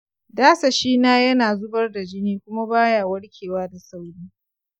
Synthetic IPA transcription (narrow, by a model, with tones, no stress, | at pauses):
daː˦sa˨ʃiː˦naː˦jɐ˦naː˨zʊ˦bɐ˦rda˨d͡ʒɪ˦niː˦kʷʊ˦ma˦baː˦jaː˨wɐ˦ɽkʲʰeː˨waː˦da˨sa˦wɽiː˦